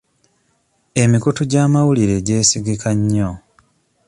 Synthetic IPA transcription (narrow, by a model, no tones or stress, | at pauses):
e̞mikutuɟaːmawuliɾe̞ɟe̞ːsiɡikʰaɲːo